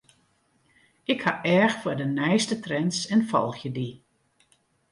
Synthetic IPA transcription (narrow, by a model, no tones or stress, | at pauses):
ɪkhaʔɛɹxfədənɛjstətrɛnsɛnfɔ̰lˠxjədi